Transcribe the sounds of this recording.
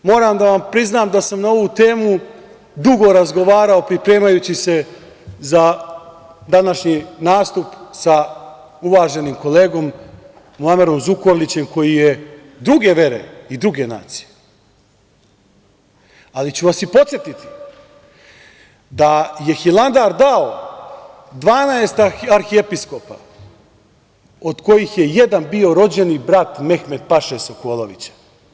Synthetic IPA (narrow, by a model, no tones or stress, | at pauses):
mo̞ːɾaːmd̪aʋampɾiznaːmd̪asamnao̞ʋut̪e̞ːmu | d̪uɡo̞ɾazɡo̞ʋaːɾaopɾipɾe̞ːmajut͡ɕise̞ | za | d̪anaʃɲinaːst̪upsa | uʋaːʒe̞nimko̞le̞ːɡo̞m | mulˠameɾo̞mzuko̞ɾlit͡ɕe̞mko̞jije | d̪ɾuɡe̞ʋe̞ɾḛid̪ɾuɡe̞na̰ːt̪si̥je | alit͡ɕuʋasipo̞t̪sjet̪it̪i̥ | d̪aje̞xilˠand̪aɾd̪ao | d̪ʋaːnaest̪aɾxiepisko̞pa̰ | od̪ko̞jixjeje̞d̪anbio̞ɾo̞d͡ʑe̞nibɾat̪me̞xme̞d̪̚paʃesokoːlˠoʋḭt͡ɕḁ